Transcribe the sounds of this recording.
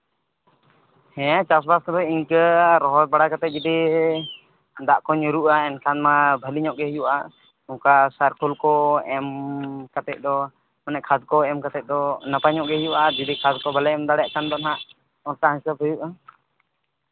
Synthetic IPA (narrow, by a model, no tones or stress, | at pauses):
hɛ̃t͡ʃasbaskɔd̪ɔiɲkəɾɔɦɔt̚baɽakat̪ɛt̪̚d͡ʒud̪i | d̪aʔkɔɲuɾuʔaɛnkʰanmabʱəliɲɔʔɡɛɦjuʔa̰ | ɔ̃kasaɾkulkɔɛmkat̪ɛc̪̚ˀd̪ɔ | mɔnɛʔkʰad̪̚kɔɛmkat̪ɛc̚d̪ɔnapaɲɔʔɡɛɦjuʔad͡ʒud̪ikʰad̪kɔbalɛɛmd̪aɽɛaʔkand̪ɔnɦaʔ | ɔnkaɦə̃ɲsabʱəjuʔa